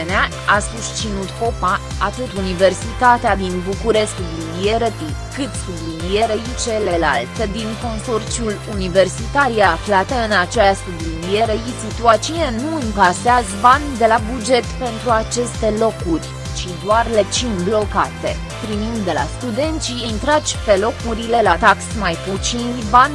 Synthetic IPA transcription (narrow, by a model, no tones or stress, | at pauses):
nea | asust͡ʃinut̪ko̞pa | at̪ɨt̪unive̞rsit̪at̪ead̪inbukuɾe̞skb̪linijeɾət̪i | kɨt̪st̪ub̪linijeɾeit͡ʃe̞lela̰lt̪əd̪inko̞nso̞rt͡ʃiulunive̞rsit̪aɾijaːflat̪əɨnat͡ʃeast̪ublinije̞ɾeisit̪uat͡ʃijenuɨŋkaseazvand̪e̞labud͡ʒe̞t̪pe̞nt̪ɾuat͡ʃe̞st̪e̞lo̞kurʲ | ʃid̪oarle̞t͡ʃinblo̞kat̪e̞ | p̪ɾimind̪e̞la̰st̪ud̪e̞nt̪siint̪ɾat͡ʃʲpe̞lo̞kuɾile̞lat̪aksmajput͡ʃinvan